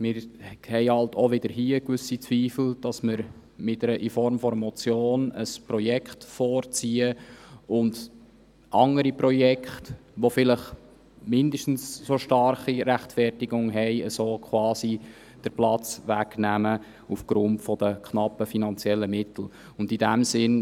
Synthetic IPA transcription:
mɪɾhɛɪhɑltɔʋɪd̥̪əɾɦiːəkvʏsit͡sʋiːfl̩d̥ɑsməɾ | mɪtəɾəʔɪfɔɾmfɔɾəmɔt͡sjoːnəspɾɔjɛkχtfɔːɾt͡siːəʊnd | ʔɑŋəɾipɾɔjɛkχtʋofɪləχ | mɪndəʃtn̩ssoʃtɑɾχiɾæχtfɛrtɪɡʊŋɦɛɪəsoːkʰχwɑːsi | d̥əɾplɑt͡sʋæɡnæmə | ufɡ̥ɾʊntfɔdəkχnɑpːəfinɑnt͡sjɛlːəmɪtl̩ | ʊndidæmsɪn

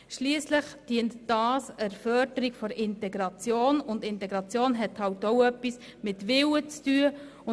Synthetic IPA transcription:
ʃliəsləχd̥iəntd̥ɑːsæɾfœːdəɾiɡ̥fɔɾɪntɛɡɾɑt͡sjoːnʊndɪntɛɡɾɑt͡sjoːnɦɛthɑwtoʊœpːis | mɪtʋɪwət͡styə | ʊ

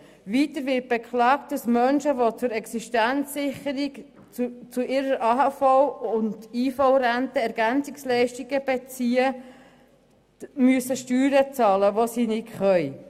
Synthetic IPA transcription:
ʋiːtəɾʋɪt̚b̥ekχlɑːkt̚d̥ɑsmœnʃəʋot͡sʊɾɛksiʃtænt͡sːɪχəɾik | t͡suʔɪɾəɾʔɑɦɑfɔʊʊndiːfɔʊɾæntəɛɾɡ̥ænt͡sɪkslɛɪʃtiɡ̥əb̥et͡siːə | myəsəʃtyːɾət͡sɑːləʋosiːnɪkχœʏ

